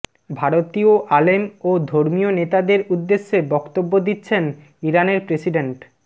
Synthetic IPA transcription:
bʱaɾot̪ioʔalemod̪ʱoɾmionet̪ad̪eɾud̪ːeʃːebɔkt̪obːod̪itːɕʰen | iɾaneɾpɾesiɖeɳʈ

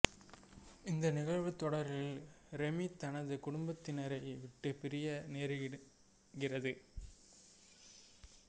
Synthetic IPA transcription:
ɪnd̪ɐnɪɣɐɭʋɯt̪ːɔɽɐɾɪlɾɛmit̪ːɐnɐðɯkʊɽʊmbɐt̪ːɪnɐɾɐɪʋɪʈːɯpɪɾɪjɐneːɾɯ | ɡɪrɐðɯ

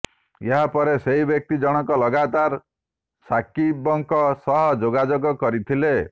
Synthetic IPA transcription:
jeɦapɔɾeseibjek̚t̪id͡ʒɔɽ̃ɔkɔlɔɡat̪aɾ | sakibɔŋkɔsɔɦɔd͡ʒoɡad͡ʒoɡɔkɔɾit̪ʰile

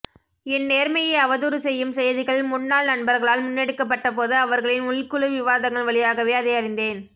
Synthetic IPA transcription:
ɛnːeːɾmɐjɐɪɐʋɐðuɾɯsɛjːɯmsɛjɐðɪɣɐɭmʊnːaːlnɐɳbɐɾɣɐɭaːlmʊnːɛɽɯkːɐp̬ːɐʈːɐpoːðɯɐʋɐɾɣɐɭɪnʊɭkɯɭɯʋɪʋaːðɐŋɡɐɭʋɐɭɪjaːɣɐʋeːɐðɐɪɐɾɪnd̪eːn

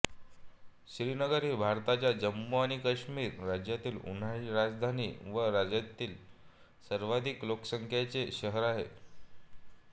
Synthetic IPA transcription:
ɕɾiːnəɡəɾɦiːbʱaɾt̪at͡ɕjad͡ʑəmːoaɽ̃ikəɕmiːɾːad͡ʑjat̪iːlṵn̤aiɾad͡zd̪ʱanḭːʋəɾad͡ʑjat̪iːl | səɾʋad̪ʱiːkloksəŋkʰjat͡seɕəɦəɾaɦe

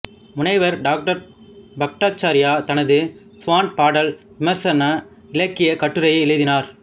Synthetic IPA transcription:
mʊnɐɪʋɐɾɖaːk̚ʈɐɾ | bɐk̚ʈaːt͡ʃːaːɾɪjaːt̪ɐnɐðɯ | sʊʋaːnpaːɽɐl | ɪmɐɾsɐnɐ | ɪlɐkːɪjɐkɐʈːɯɾɐjɪlɐðɪnaːɾ

